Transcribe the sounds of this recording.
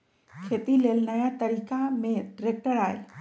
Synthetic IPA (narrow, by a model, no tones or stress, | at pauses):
kʰet̪ilelnəjat̪əɾikamẽɖɾek̚ʈəɾaːj